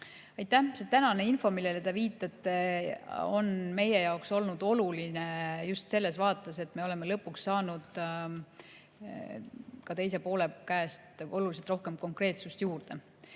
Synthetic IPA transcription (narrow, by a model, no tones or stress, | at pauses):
ɑjt̪ːæhset̪ænɑne̞info̞milːelet̪eviːt̪ːˑɑt̪ːˑe | o̞̰nme̞je̞jɑokso̞lnud̪̥o̞lulinejust̪se̞lːe̞svɑːt̪ːˑɑse̞t̪me̞ole̞me̞lɤpːˑuksːɑːnud̪̥ | kɑt̪e̞jse̞po̞ːle̞kæːst̪ʔo̞lulis̬elt̪ro̞hke̞mko̞ŋkre̞ːt̪sust̪juːrd̪̥e̞